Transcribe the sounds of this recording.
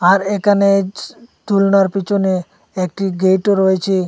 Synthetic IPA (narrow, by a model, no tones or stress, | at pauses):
aɾekʰanet̪ulnaɾpit͡ʃʰone | ek̚ʈiɡejʈoɾojet͡ʃʰi